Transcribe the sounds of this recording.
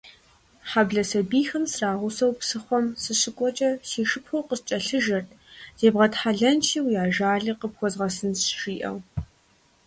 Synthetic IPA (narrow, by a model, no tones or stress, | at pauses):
ħabɮɐsɐbiːxɨmsraːʁʷʊsɐwpsɨχʷɔmsɨɕɨkʷʼɔt͡ʃʼɐsiːʂɨpxʷowqəst͡ʃʼɐɬɨʒɐrtʰ | z̥eːbʁɐtħaɮɐnt͡ʃʰiːwjaːʒaːɮɨqəpxʷɔzʁɐsɨnsʒiːʔɐ̰w